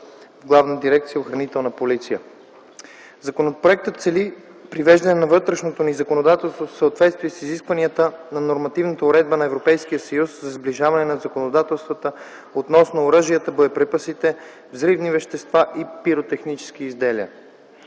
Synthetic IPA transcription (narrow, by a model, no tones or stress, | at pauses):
vɡlˠavnəd̪iɾɛkt̪sijəoxɾɐnit̪ɛlˠnəpolit̪sijə | zɐkonopɾoɛk̚t̪ət̪t̪sɛli | pɾivɛʒd̪ɐnɛnɐvɤt̪ɾɛʃnot̪onizɐkonod̪at̪ɛlˠst̪vofsəːt̪vɛt̪st̪viɛsiziskvɐniət̪ənɐnoɾmɐt̪ivnət̪əʊɾɛd̪̚bənɐɛvɾopɛjsk̟ijəsəjuszɐzbliʒavɐnɛnɐzɐkonod̪at̪ɛlˠst̪vət̪ə | ot̪nɔsnoːɾəʒijət̪əbojəpɾɛpəsit̪ɛ | vzɾivnivɛʃt̪ɛst̪vaʔipiɾot̪ɛxnit͡ʃɛ̥skiizd̪ɛliə̰